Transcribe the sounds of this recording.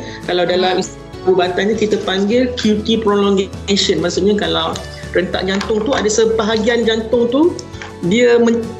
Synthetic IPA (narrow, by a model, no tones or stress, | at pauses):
kalawdalamis | bubat̪anɲãkit̪əpaŋɡɪlkjut̪ipɾolɔŋɡsənmaʔsuʔɲakalaw | ɾənt̪a̰ʔd͡ʒant̪ʊŋt̪uadasəpəɦaɡiand͡ʒant̪ʊŋt̪u | diəmə̃ɲ